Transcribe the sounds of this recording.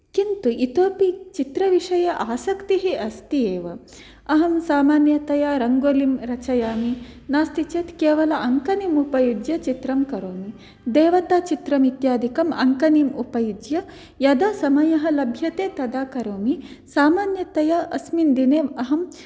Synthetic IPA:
kint̪uʔit̪oːpit͡ʃit̪ɾɐʋiʂɐjɐʔaːsɐkt̪iɦiɐst̪ieːʋɐ | ɐɦɐmsaːmaːnjɐt̪ɐjaːɾɐŋɡoːlimɾɐt͡ʃɐjaːminaːst̪it͡ʃeːt̪keːʋɐlɐʔɐŋkɐnimupɐjud͡ʒjɐt͡ʃit̪ɾɐmkɐɾoːmi | d̪eːʋɐt̪aːt͡ʃit̪ɾɐmit̪jaːd̪ʱikɐmɐ̰ŋkɐnimupɐjud͡ʒjɐ | jɐd̪aːsɐmɐjɐɦɐ̆lɐbʱjɐt̪eːt̪ɐd̪aːkɐɾoːmisaːmaːnjɐt̪ɐjaʔɐsmind̪ineːʋɐɦɐm

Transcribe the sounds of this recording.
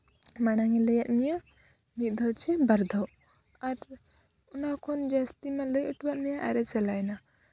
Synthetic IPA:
maɽ̃aŋiləjaʔ̪̚mija | mit̪̚ˀd̪ʱɔt͡ʃʰɛbaɾd̪ʱɔ | aɾ | ɔnakʰɔnd͡ʒast̪imaləjəʈbaʔ̪̚mɛjaʔa̰ɾɛt͡ʃɛlajna

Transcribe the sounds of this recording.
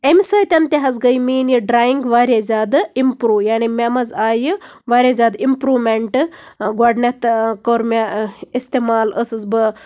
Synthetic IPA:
emsɐjt̪ʲɐnt̪eɦɐzɡɐjmiːnjiɖɾaːjiŋɡʋaːɾʲjezʲaːd̪ɨimpɾuːjaːnimʲamɐzaːjɨʋaːɾʲezʲaːd̪impɾuːmeɳʈɨɡaɖnet̪koɾmʲaist̪emaːləsɨzbɨ

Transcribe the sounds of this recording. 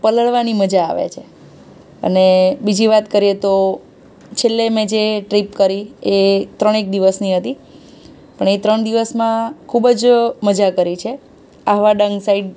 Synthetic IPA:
pələɭʋaniməd͡ʒa̰ːʋḛt͡ʃʰe | ə̰nebid͡ʒiʋat̪kəɾijet̪o | t͡ʃʰelːemẽd͡ʒeʈɾipkəɾiet̪ɾəɳ̃ek̚d̪iʋəsniɦət̪i | pəɳet̪ɾəɳd̪iʋəsmãkʰubd͡ʒməd͡ʒakəɾit͡ʃʰe | aʋaɖəŋɡsaiɖ

